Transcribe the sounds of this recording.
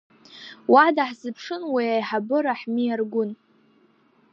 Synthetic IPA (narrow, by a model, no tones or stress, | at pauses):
wadaħzɨpʰʂɨnwiajħabɨɾaħmijarɡʷʊn